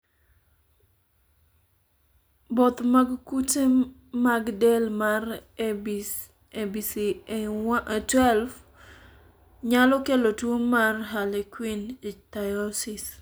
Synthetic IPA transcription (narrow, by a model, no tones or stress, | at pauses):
bɔt̪maɡkute | maɡdɛlmar | ebisi | twɛlf | ɲalɔkelotwomarɦalekwinitajɔsis